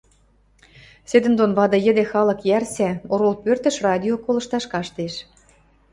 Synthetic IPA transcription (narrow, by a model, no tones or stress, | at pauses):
sed̪ə̆nd̪onβɑd̪ɤ̆jə̆d̪ĕxɑlɤ̆kjærsæoɾolpørt̪ə̆ʃrɑd̪ʲiokolɤ̆ʃt̪ɑʃkɑʃt̪eʃ